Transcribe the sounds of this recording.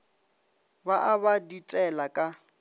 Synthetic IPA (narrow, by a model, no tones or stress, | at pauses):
baʔaβaditʼɛlakʼa